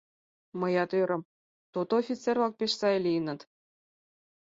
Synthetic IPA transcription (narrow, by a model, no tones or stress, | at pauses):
mɤ̆jɑt̪øɾɤ̆m | t̪ot̪oofʲit͡servlɑk̚pʲeʃsɑelʲiənɤ̆t̪